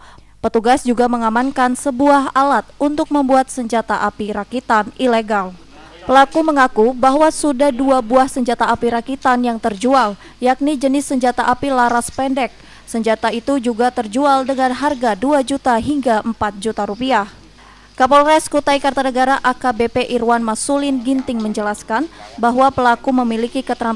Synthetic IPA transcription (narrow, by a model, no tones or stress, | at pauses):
pət̪uɡasd͡ʒuɡaməŋamankansəbuaɦalat̪̚unt̪ʊk̚məmbuat̪̚səɲd͡ʒat̪aʔapiɾakit̪anileɡal | pəlakuməŋakubaɦwasudahduabuahsəɲd͡ʒat̪aːpiɾakit̪anjaŋt̪ərd͡ʒual | jak̚nid͡ʒənɪsːəɲd͡ʒat̪aʔapilaɾaspɛndɛk̚ | səɲd͡ʒat̪ait̪ud͡ʒuɡat̪ərd͡ʒualdəŋanɦarɡaduad͡ʒut̪aɦiŋɡaʔəmpat̪̚d͡ʒut̪aɾupiah | kapɔlrɛskut̪aikart̪anəɡaɾaʔakabepeʔiɾwanmasulɪnɡint̪ɪŋməɲd͡ʒəlaskanbaɦwapəlakuməmilikikət̪əɾam